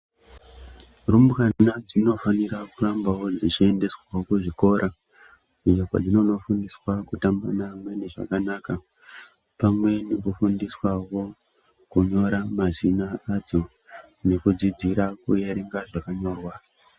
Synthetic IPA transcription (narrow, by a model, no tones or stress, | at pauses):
rumbkanad͡zino̞faniɾakurambawo̞d͡zit͡ʃie̞nde̞swaokuʐiko̞ɾʔa | ijokwa̰d͡zino̞no̞fundiswakutambanamwe̞neʐa̰kanaka | pamwe̞nekufundiswawo̞ | kuɲo̞ɾamazinaad͡zo̞ | ne̞kud͡zid͡ziɾakujeɾeŋɡaʐakaɲo̞ːrwa